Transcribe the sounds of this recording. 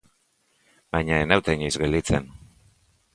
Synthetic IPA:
bajɲaenawt̪eɲizɣelit͡sen

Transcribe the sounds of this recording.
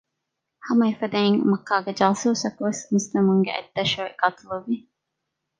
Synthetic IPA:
hɐmɐefɐd̪ɐiŋmɐkːaːɡed͡ʒaːsuːsɐkuʋesmist̪ɐmuŋɡḛʔɐ̰d̪ːɐʃoːeɡaːt̪uluʋi

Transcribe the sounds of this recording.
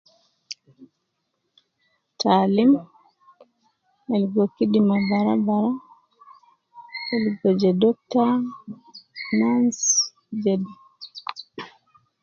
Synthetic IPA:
tʰaːlim | ɛlɡɔkiɗimabaɾa̰baɾa | ɛlɡɔd͡ʒɛdɔk̚ta | nans | d͡ʒɛdi

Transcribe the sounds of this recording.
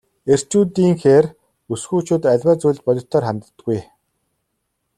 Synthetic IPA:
er̥t͡ɕuːt̪iːŋxeːr | usxuːt͡ɕuːt̪æɮʲwæːt͡sujɮt͡ɕ̪pɔɮʲɞ̆t̪ʰɔːrχæmt̪ː | ɡuj

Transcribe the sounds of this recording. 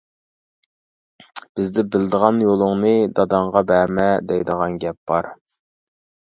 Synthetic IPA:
b̥ɪzd̪ɪbɪld̪əʁɑnjolˠʊŋnɨd̪ɑd̪ɑɴʁɑbæɾmɛd̪ɛjd̪əʁɑnɡʲɛp̚b̥ɑɾ

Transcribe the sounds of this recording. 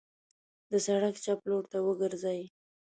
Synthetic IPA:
d̪əsaɽakt͡ʃaploɽt̪awəɡəɾzaj

